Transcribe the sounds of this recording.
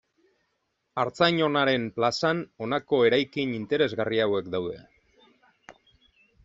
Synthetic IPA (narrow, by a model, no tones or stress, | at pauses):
aɾt͡sajɲo̞naɾe̞mplasano̞nako̞e̞ɾajkinint̪e̞ɾe̞zɣariawe̞kd̪awðe̞̰